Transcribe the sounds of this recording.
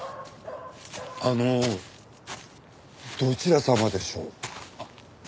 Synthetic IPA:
ano | d̪̥o̞t͡ɕiɾasamad̪e̞ɕo̞̰ː

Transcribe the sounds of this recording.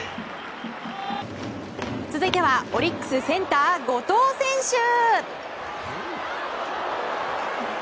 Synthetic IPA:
t͡sɨzɨit̪e̞βao̞ɾʲikːɯ̟̥sɨsẽ̞nt̪aːɡo̞t̪o̞ːsẽ̞ɰ̃ɕɨ

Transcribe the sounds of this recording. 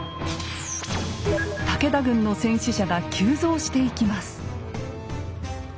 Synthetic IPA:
t̪ake̞d̪aɡɯ̟̃nːo̞sẽ̞ɰ̃ɕiɕaɡakʲʰɨːzo̞ːɕi̥t̪e̞ikʲimasɨ̥

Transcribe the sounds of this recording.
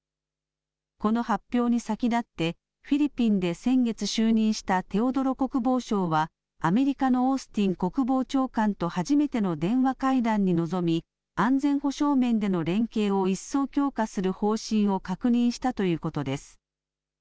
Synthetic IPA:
ko̞no̞hapʲːjo̞ːɲ̟isakʲid̪at̪ːe̞ | ɸʲiɾʲipʲĩnd̪e̞sẽ̞ŋɡe̞t͡sɨɕɨːɲ̟ĩɰ̃ɕi̥t̪at̪e̞o̞d̪o̞ɾo̞ko̞kɯ̟bo̞ːɕo̞ːβaː | me̞ɾʲikano̞osɨ̥t̪ʲĩŋko̞kɯ̟bo̞ːt͡ɕo̞ːkãnt̪o̞haʑime̞t̪e̞no̞d̪ẽ̞ɰ̃βakaid̪ãɲ̟ːino̞zo̞mʲi | ãnd͡zẽ̞ɰ̃ho̞ɕo̞ːmẽ̞nd̪e̞no̞ɾẽ̞ŋke̞ːo̞isːo̞ːkʲo̞ːkasɨɾɯ̟ho̞ːɕĩɰ̃o̞kakɯ̟ɲ̟ĩɰ̃ɕi̥t̪at̪o̞jɯ̟ːko̞t̪o̞d̪e̞sɨ̥

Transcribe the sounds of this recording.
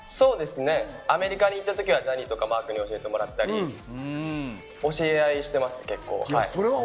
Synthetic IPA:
so̞ːd̪e̞sɨne̞ame̞ɾʲikaɲ̟iːt̪ːat̪o̞kʲiβ̞ad͡ʑaɾʲit̪o̞kamaːkɯ̟ɲ̟io̞ɕie̞t̪e̞mo̞ɾat̪ːaɾi | o̞ɕieaiɕi̥t̪e̞masɨ̥ke̞kːo̞̰ːhaiioɾea

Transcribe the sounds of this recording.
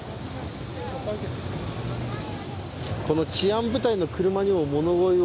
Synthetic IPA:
ko̞no̞t͡ɕiãmbɯ̟t̪aino̞kɯ̟ɾɯ̟maɲ̟imomo̞no̞ɡo̞i

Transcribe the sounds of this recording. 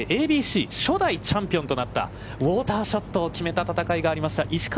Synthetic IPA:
ʔeːbʲiːɕiːɕo̞d̪ait͡ɕãmpʲiont̪o̞nat̪ːa̰ | βo̞ːt̪aːɕo̞t̪ːo̞ːkʲime̞t̪at̪at̪akaiɡaːɾʲimaɕi̥t̪aʔiɕi̥k

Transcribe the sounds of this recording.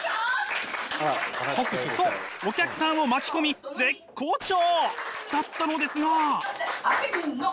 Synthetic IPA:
oksookʲakɯ̟̥sãɰ̃o̞mat͡ɕi̥ko̞mʲize̞kkʰːo̞ːt͡ɕoːd̪̥at̪ːano̞d̪e̞sɨɡa

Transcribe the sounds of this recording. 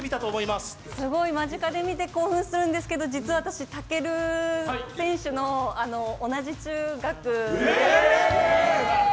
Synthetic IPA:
mʲit̪at̪o̞ːmo̞imasɨ̥ | sɨɡo̞imaʑikad̪e̞mʲit̪e̞ko̞ːɸɯ̟̃ɰ̃sɨɾɯ̟̃nd̪esɨ̥ke̞d̪o̞d͡ʑit͡sɨaβat̪aɕit̪ake̞ɾɯ̟ | sẽ̞ɰ̃ɕɨno̞ano̞ːnaʑit͡ɕɨːɡakɯ̟

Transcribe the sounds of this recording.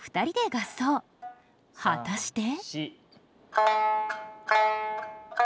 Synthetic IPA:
ɸɯ̟̥t̪aɾʲid̪e̞ɡasoː | hat̪aɕi̥t̪e

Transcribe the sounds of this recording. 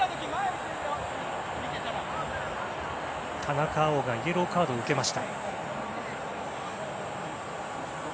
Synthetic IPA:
t̪ʰanakaːoɡaieɾo̞kaːd̪o̞ɯ̟ke̞maɕi̥t̪a

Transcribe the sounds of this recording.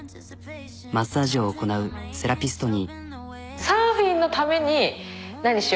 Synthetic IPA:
masaːʑio̞ːko̞naɯ̟se̞ɾapʲisɨ̥t̪o̞ɲ̟i | saːɸĩnːo̞t̪ame̞ɲ̟inaɲ̟iɕi

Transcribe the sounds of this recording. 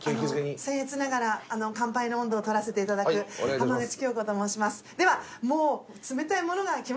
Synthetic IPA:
kesẽɰ̃het͡sɨnaɡaɾaːno̞kãmpainoõnd̪o̞ːt̪o̞ɾase̞t̪e̞it̪ad̪akɯ̟kamaɡɯt͡ɕi̥kʲo̞ːko̞ːt̪omo̞ːɕimasɨ̥d̪e̞βamoː | t͡sɨme̞t̪aimo̞no̞ɡakʲim

